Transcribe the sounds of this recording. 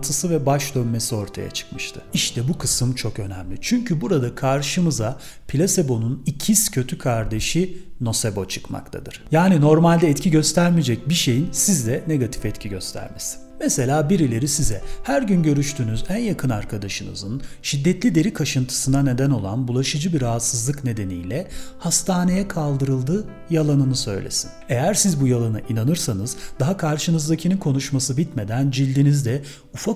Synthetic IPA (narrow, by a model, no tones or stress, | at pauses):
t̪ʰɯsɯvɛbaʃd̪ønme̞sio̞ɾt̪ʰa̰ja̰t͡ʃʰɯ̥kmɯʃt̪ʰɯ̥iʃt̪ʰɛbukʰɯsɯmt͡ʃʰo̞kø̞næmlʲit͡ʃʰyɲcybuɾad̪akʰaɾʃɯmɯza | pʰilʲase̞bo̞nunicʰiscʰø̞t̪ʰykʰaɾd̪e̞ʃino̞sebo̞t͡ʃʰɯ̥kma̰kt̪ʰa̰d̪ɯɾ̥jaːnino̞ɾmalʲd̪ɛːt̪cʰiɟø̞st̪ʰæɾmid͡ʒɛc̚biʃe̞jinsizd̪ɛne̞ɡat̪ʰi̥fɛt̪cʰiɟø̞st̪ʰæ̰ɾmesi̥nmɛse̞lʲaːbiɾilʲe̞ɾisizɛhæɾɟynɟø̞ɾyʃt̪ʰyːnyzænjakʰɯnaɾkʰad̪aʃɯnɯ̰zɯnʃid̪ːɛt̪lʲid̪e̞ɾikʰaʃɯnt̪ʰɯ̥sɯnane̞d̪æno̞lˠa̰nbulˠaʃɯd͡ʒɯbiɾaɦat̪sɯzlˠɯkne̞d̪e̞nḭjlʲɛhast̪ʰaːne̞jɛkʰalˠd̪ɯɾɯlˠd̪ɯː | jalˠanɯnɯsø̞̰jlʲḛsi̥ne̞jæɾsizbujalˠanɯʔinanɯɾsanɯzd̪aɦakʰaɾʃɯnɯzd̪acʰinikʰo̞nuʃmasɯbit̪me̞d̪ænd͡ʒilʲːinizd̪ɛ | ufa